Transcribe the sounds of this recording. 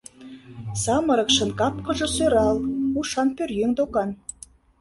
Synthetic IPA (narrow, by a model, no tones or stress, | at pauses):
sɑmɤ̆ɾɤ̆kʃɤ̆nkɑp̚kɤ̆ʒɤ̆søɾɑlˠuʃɑnpørjøŋd̪okɑn